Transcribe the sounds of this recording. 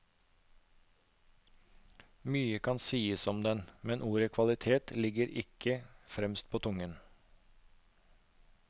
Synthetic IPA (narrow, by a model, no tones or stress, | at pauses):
myːəkʰɑnsiːəsɔmd̪ɛnmɛnʔuːɾəkʰʋɑlɪt̪ʰeːt̪lɪɡəɾʔɪ̰kʰəfɾɛmst̪̚pʰoːt̪ʰʊŋən